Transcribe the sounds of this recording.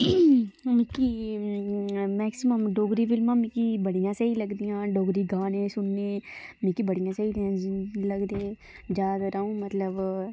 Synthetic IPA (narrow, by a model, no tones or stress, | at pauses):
mĩki | mɛːksɪməmɖoːɡɾifɪlmãmĩkibɐɽ̤ijãsɐɦilɐɡd̪ijãːɖoːɡɾiɡãːnẽsʊnːemĩkibɐɽ̤ijãsɐɦid̪ãlɐɡd̪eː | d͡ʒaːd̪aɾɐɦũmɐt̪ləb